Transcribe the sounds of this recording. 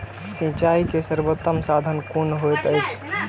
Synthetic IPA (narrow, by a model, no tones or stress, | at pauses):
sĩt͡ʃaikesəɾbot̪ːəmsad̪ʱənkunɦojt̪əjt͡ʃʰ